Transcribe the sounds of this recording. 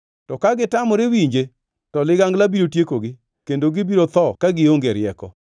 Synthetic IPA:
tɔkaɡɪtamɔɾewiɲd͡ʒe | tɔlɪɡaŋɡlabiɾotjekoɡɪ | kendoɡɪbiɾot̪ɔkaɡɪoŋɡeɾɪjɛkɔ

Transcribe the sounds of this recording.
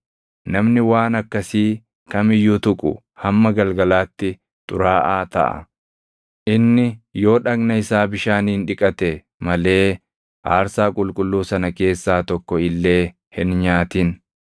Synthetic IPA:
nɐmnɪwaːnɐkːɐsiː | kɐmɪjːʊt̪ʊkʼʊ̰ | hɐmːɐɡɐlɡɐlaːt̪ːɪ | t̪ʼʊɾaːʔaːt̪ɐ̰ʔɐ̰ | ʔɪnːɪjo̞ːᶑɐknɐɪsaːbɪʃaːniːnᶑɪkʼɐt̪ɛ | mɐle̞ː | haːɾsaːkʼʊlkʼʊlːuːsɐnɐke̞ːsːaːt̪ɔkːɔɪlːe̞ː | hɪnɲaːt̪ɪn

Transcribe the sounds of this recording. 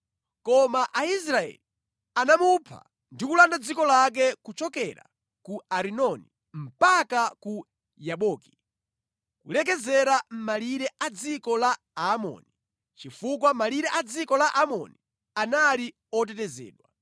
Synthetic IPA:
kɔmaʔais̬ɾaɛ̰li | anamupʰa̰ | ndikulandad͡zikɔlak̬ɛkut͡ʃɔkɛɾa̰ | kuaɾinɔni | m̩pakaku | jaɓɔːki̥ | kṵlɛk̬ɛzɛɾam̩maliɾɛʔad͡zikɔla | amɔ̰ːni | t͡ʃifuk̬wamaliɾɛʔad͡zikɔlaʔamɔ̰ni | anali | ɔt̬ɛtɛzɛ̰ːɗwa

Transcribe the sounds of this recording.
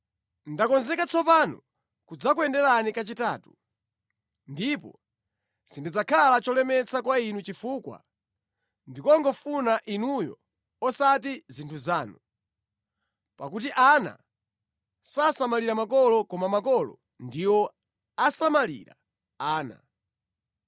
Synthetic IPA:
ndakɔnzɛkat͡sʰɔpanɔ | kud͡zakwɛndɛɾanikat͡ʃitaːtu̥ | ndipɔ̰ | sindid͡zakʰalat͡ʃɔlɛmɛt͡sʰakwainut͡ʃifukwa̰ | ndikɔŋɡɔfunaʔinujɔ̰ | ɔsatizintʰuzaːnu | pakut̬iʔana̰ | sasamaliɾamakɔlɔkɔmamakɔlɔ̰ | ndiwɔ | asamalḭɾa̰ | aːna̰

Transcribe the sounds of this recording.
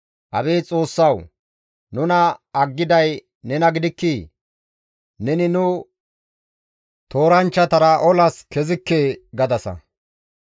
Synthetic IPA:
ʔɐ̰beːt͡sʼo̞ːsːɐw | nʊnɐɐɡːɪd̪ɐj | nɛnɐɡɪd̪ɪkːi | nɛnɪnʊ | t̪o̞ːɾɐnt͡ʃːɐt̪ɐɾɐʔɔlɐskɛzɪkːeːɡɐd̪ɐsɐ̰

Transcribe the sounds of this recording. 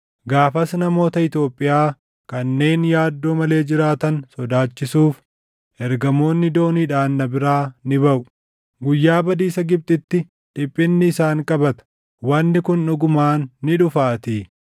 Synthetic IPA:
ɡaːfɐsnɐmo̞ːt̪ɐɪt̪jo̞ːpʼːɪjaː | kɐnːe̞ːnjaːd̪ːo̞ːmɐle̞ːd͡ʒɪɾaːt̪ɐnsɔd̪aːt͡ʃːɪsuːf | ʔɛɾɡɐmo̞ːnːɪd̪o̞ːniːᶑaːnːɐbɪɾaːnɪbɐʔʊ̥ | ɡʊjːaːbɐd̪iːsɐɡɪb̚t̪ʼɪt̪ːɪ | ᶑ̪ɪpʼːɪnːɪːsaːŋkʼɐbɐt̪ɐ̥ | wɐnːɪkʊnːʊɡʊmaːnːɪᶑʊfaːt̪iː

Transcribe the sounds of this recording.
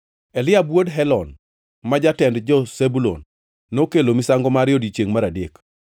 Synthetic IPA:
elɪabwodɦɛlɔn | mad͡ʒatɛndd͡ʒɔsebulo̰nː | okelomɪsaŋɡɔmaɾɪjɔdit͡ʃeŋmaɾadek

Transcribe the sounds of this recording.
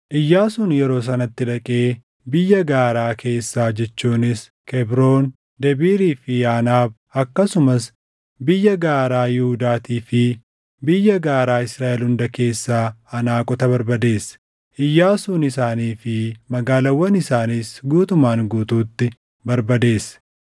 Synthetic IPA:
ʔɪjːaːsuːnjɛɾo̞ːs̬ɐnɐt̪ːɪᶑɐkʼe̞ː | bɪjːɐɡaːɾaːkʰe̞ːsːaːd͡ʒɛt͡ʃːuːnɪs | kʰɛbɾoːn | d̪ɛbiːɾiːfɪaːnaːb | ɐkːɐsʊmɐs | bɪjːɐɡaːɾaːjɪhʊd̪aːt̪iːfɪ | bɪjːɐɡaːɾaːɪsɾaːʔɛlhʊnd̪ɐke̞ːsːaːɐnaːkʼɔt̪ɐβɐɾbɐd̪e̞ːsː | ʔɪjːaːsuːnɪsaːniːfɪmɐɡaːlɐwːɐnɪsaːniːsɡuːt̪ʊmaːŋɡuːt̪uːt̪ːɪ | bɐɾbɐd̪e̞ːsɛ̥

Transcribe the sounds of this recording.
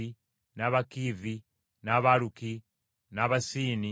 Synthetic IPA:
i | naβakivi | naβaluki | naβasiːni

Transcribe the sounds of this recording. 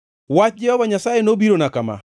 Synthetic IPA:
wat͡ʃ̚d͡ʒɛhɔvaɲasajenobiɾonakama̰

